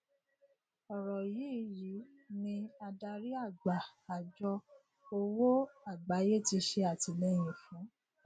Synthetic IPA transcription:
ɔ˨ɾɔ˨ji˦ɾi˨˦ | nĩ˧a˧da˧ɾi˦a˦˨ɡ͡ba˨a˨d͡ʒɔ˧ | o˧wo˦a˦˨ɡ͡ba˨˦je˦˨ti˧ʃe˧a˨ti˧lɛ˦˨j̃ĩ˨fũ˨˦

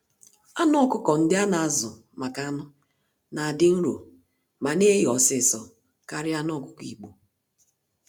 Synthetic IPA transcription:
a˦nɔ˦kʊ˦kɔ˨n̩˦dɪ˦a˦na˨a˨zʊ˨ | ma˨ka˦nʊ˦ | na˨a˨dɪ˦n̩˦ɾo̰˨ | ma˨ne˦ɦɔ˨sɪ˦˨sɔ˨ | ka˦ɾɪ˦a˦n˦ɔ˦˨kʊ˦kḭ˨k͡po˨

